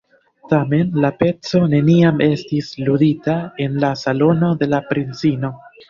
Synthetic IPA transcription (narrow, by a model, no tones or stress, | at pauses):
tame̞nlape̞t͡so̞ne̞niame̞stisluditae̞nlasalo̞no̞de̞lapɾint͡sino̞